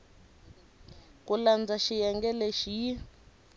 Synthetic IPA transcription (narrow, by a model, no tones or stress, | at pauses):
kuland͡zaʃijɛŋɡɛleʃii